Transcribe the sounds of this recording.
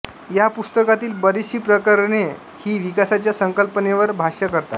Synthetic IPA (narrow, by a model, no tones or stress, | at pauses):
japust̪əkat̪iːlbəɾiɕiːpɾəkəɾɳe | hiːʋikasat͡ɕjasəŋkəlpəneʋəɾbʱaɕəkəɾt̪at̪